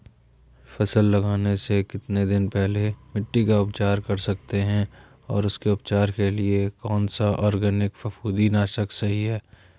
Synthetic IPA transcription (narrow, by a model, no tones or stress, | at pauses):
fɐsəlːɐɡaːnesekɪt̪ned̪ɪnpɛɦlemɪʈːikaʊpt͡ʃaːɾkɐɾsɐk̚t̪eɦɛ̃ | ɔːɾʊskeʊpt͡ʃaːɾkeliekɔːnsaʔɔːɾɡɛːnɪkfɐfuːd̪inaːʃəksɐɦiɦɛː